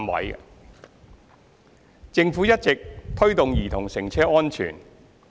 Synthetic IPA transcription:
mwɐ̰˨˥j | t͡sɪ˧ŋfuː˨˥jɐ˥t̚t͡sɪ˨k̚t̪ʰɵ˥ɥt̪ʊ˨ŋjiː˨˩t̪ʰʊ˨˩ŋsɪ˨˩ŋt͡sʰɛː˥ɔː˥nt͡ʃʰy̰ː˨˩n

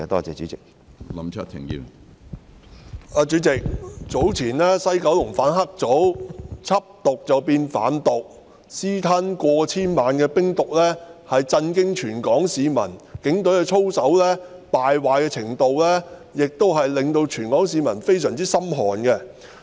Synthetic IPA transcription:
ɛ˨˧˩t̪ɔː˥t͡sɛ̰ː˧˩t͡syː˨˦t͡sɪ˨k̚ | lɐ˨˥mt͡ʃʰɐ˥t̪ʰɪ̰˨˩ŋjḭː˧w | aː˧t͡syː˨˥t͡sɪ˨k̚t͡so˨˥wt͡sʰiː˨˩nlɛː˥sɐ˥jkɐ˨˥wlʊ˨˩ŋfaː˨˥nɦɐ˥k̚t͡so˨˥wt͡sʰɐ˥p̚t̪ʊ˨k̚t͡sɐ˨wpiː˧nfa̰ː˨˥nt̪ʊ˨k̚ | siː˥t̪ʰɐ˥nkʷɔː˧t͡sʰiː˥nmaː˨nkɛː˧pɪ˥ŋt̪ʊ˨k̚lɛː˥hɐ˨jt͡sɐ˧nkɪ˥ŋt͡ʃʰyː˨˩nkɔː˨˥ŋsiː˨˧mɐ̰˨˩nkɪ˨˥ŋt̪ɵ˨˥ɥɛ˧t͡ʃʰo˥wsɐ˨˥wlɛː˥paː˨jwaː˨jkɛː˧t͡sʰɪ˨˩ŋt̪o˨˧wlɛː˥jɪ˨k̚t̪o˥wɦɐ˨jlɪ˨ŋt̪o˧wt͡ʃʰyː˨˩nkɔː˨˥ŋsiː˨˧mɐ˨˩nfe˥jsœː˨˩ŋt͡siː˥sɐ˥mɦɔː˨˩nkɛ˧

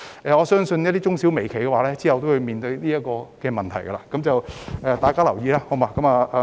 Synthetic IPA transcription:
ʔɛː˨ɔː˨˧sœː˥ŋsɵ˧njɐ˥t̪̬̚iː˥t͡ʃʊ˥ŋsiː˨˥wme˨˩jkʰe˨˩jkɛː˧waː˨˧˦lɛː˥t͡siː˥hɐ˨wt̪o˥whɵ˧ɥmiː˨nt̪ɵ˧ɥliː˥jɐ˥t̚kɔː˧kɛː˧mɐ˨nt̪ʰɐ˨˩jkɐ̰˧la̰ː˧kɐ˨˥mt͡sɐ˨wʔɛː˨t̪aː˨jkaː˥lɐ˨˩wjiː˧laː˥ho˨˥wmaː˨˧˥kɐ˨˧˥mɐː˨˩ʔa˨˧

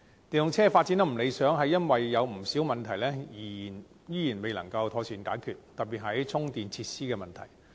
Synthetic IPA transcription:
t̪iː˨njʊ˨˧ŋt͡sʰɛː˥faː˧t̚t͡siː˨˥nɐ˥m̩˨˩le˨˧sœː˨˥ŋɦɐ˨jːɐ˥nwɐ˨jːɐ˨˧wm̩˨˩si˨˥wmɐ˨nt̪ʰɐ˨˩jlɛː˥jiː˨˩jiː˨˩n | jyː˥jiː˨˩nme˨jlɐ̰˨˩ŋkɐ˧wt̪ʰɔː˧˥syː˨˧˥nkaː˨˥jkʰyː˨t̚t̪ɐ˨t̚pːiː˨t̚ɦɐ˨˥jt͡sʰʊ˥ŋt̪iː˨nt͡sʰiː˧t̚siː˥kɛː˧mɐ˨nt̪ʰɐ˨˩j

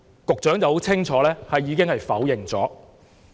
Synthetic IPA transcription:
kʊ˨k̚t͡ʃœː˨˥ŋt͡sɐ˨who˨˥wt͡sʰɪ˥ŋt͡ʃʰɔː˨˥lɛː˥hɐ˨jːiː˨˧kɪ˥ŋhɐ˨jfɐ˨˥wjɪ˨ŋt͡sɔː˨˥

